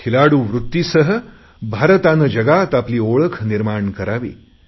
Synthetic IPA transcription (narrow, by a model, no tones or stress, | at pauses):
kʰilaɽuːʋɾut̪ːjisəɦə | bʱaɾət̪anəd͡ʒəɡat̪apliːoɭəkʰniɾmaɳkəɾaʋḭː